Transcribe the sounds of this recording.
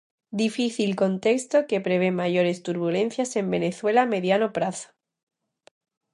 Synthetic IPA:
d̪ifiθilko̞nt̪e̞kst̪o̞ke̞pɾe̞β̞e̞maʝo̞ɾe̞st̪uɾβ̞ulẽ̞n̟θjase̞mbe̞ne̞θwe̞lame̞ðjanopɾaθo̥

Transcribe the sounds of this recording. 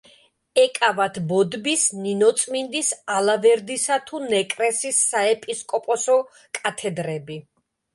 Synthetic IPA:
ɛkʼavat̪ʰbɔd̪bisninɔt̪sʼmind̪isalavɛɾd̪isat̪ʰunɛkʼɾɛsisːaɛpʼiskʼɔpʼɔsɔ | kʼat̪ʰɛd̪ɾɛbi

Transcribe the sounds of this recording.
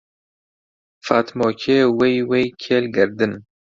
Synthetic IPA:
fat̪mɔːkʰeːwejwejkʰeːlɡɨɾd̪ɨn

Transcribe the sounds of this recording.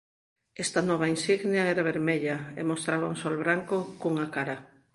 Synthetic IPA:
ɛst̪ɐnɔβ̞ainsiɣnjɐɛɾaβeɾmeʎɐḛmost̪ɾaβauŋsolβɾaŋkokuuŋakaɾɐ

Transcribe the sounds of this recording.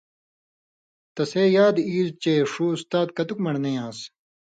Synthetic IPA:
t̪ɐseːjaːd̪iːzt͡ɕeːʂuːust̪aːd̪̚kɐt̪ukmɐɽnejãːs

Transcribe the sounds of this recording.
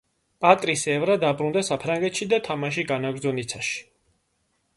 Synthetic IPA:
pʼat̪ʼɾisɛvɾad̪abɾund̪asapʰɾaŋɡɛt̪ʃid̪at̪ʰamaʃ̬iɡanaɡɾd̪zɔnit̪sʰaʃi̥

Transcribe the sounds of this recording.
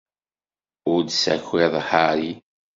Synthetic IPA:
ʊɾd̪sæ̰çeðˤħaɾi

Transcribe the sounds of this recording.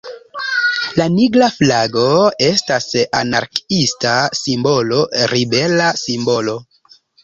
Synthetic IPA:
laniɡlaflaɡo̞e̞stasa̰na̰ɾkistasimbo̞lo̞ɾibe̞lasimbo̞lo̞

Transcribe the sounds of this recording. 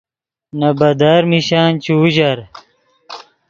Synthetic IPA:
nɐbɐd̪aɾmiɕaːnt͡ɕʰuːʑɐɾ

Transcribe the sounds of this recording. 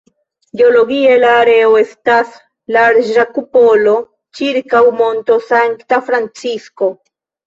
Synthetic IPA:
ɡeoloɡielaːɾeoe̞stas | laɾʒakupolo̞ | t͡ʃiɾkawmo̞nto̞saŋkt̪afɾant͡sisko̞

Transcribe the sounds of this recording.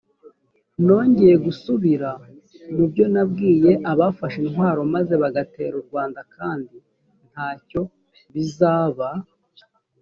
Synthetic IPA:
no̞ːɲɟe̞je̞ɡusuβiɾa | nibjo̞nab̚ɡiːje̞ʔaβafaʃinɦwaːɾo̞maze̞βaɡate̞̰ɾuɾɡwaːndakaːndi | n̥haːco̞ | βizaːβa

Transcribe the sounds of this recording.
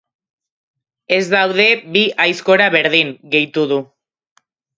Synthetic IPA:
e̞zd̪awð̞e̞βiajsko̞ɾaβe̞ɾðiŋɡe̞jt̪uðu

